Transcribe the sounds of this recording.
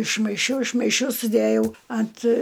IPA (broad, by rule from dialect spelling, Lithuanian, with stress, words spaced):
ɪʃmɐɪˈʃʲɛʊ ɪʃmɐɪˈʃʲɛʊ sʊˈdʲæjɛʊ ɐnt